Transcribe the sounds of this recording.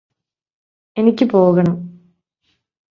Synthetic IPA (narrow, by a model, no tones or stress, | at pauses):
e̞nikʲːɨpo̞ːɣɐɳɐm